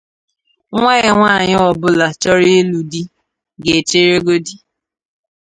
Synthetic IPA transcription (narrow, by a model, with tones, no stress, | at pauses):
ŋʷe˦e˨ŋʷaː˦˨ɲ˦ɔ˨bʊ˦la˨t͡ʃɔ˦ɾi˦e˦lu˨di˦ | ɡe˨t͡ʃe˦ɾe˦ɡo˦di˦